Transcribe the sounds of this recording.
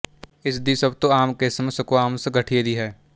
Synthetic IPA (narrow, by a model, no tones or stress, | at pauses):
ɪsd̪isɐbt̪oaːmkesɐməskoaːmseɡʱɐʈʰied̪iɦɛː